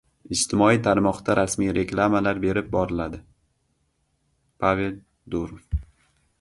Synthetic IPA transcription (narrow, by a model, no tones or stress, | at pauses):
ɪd͡ʒt̪ʰɪmɒijt̪ʰaɾmɒqd̪aɾʔasmijɾe̞klˠamalaɾbe̞ɾɪp̚bɒɾɪlad̪ɪ | pʰave̞l | d̪uɾof